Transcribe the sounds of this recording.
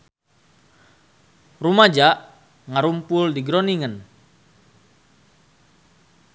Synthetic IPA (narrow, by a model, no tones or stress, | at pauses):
rumad͡ʒaʔ | ŋaɾumpʊldiɡɾɔniŋən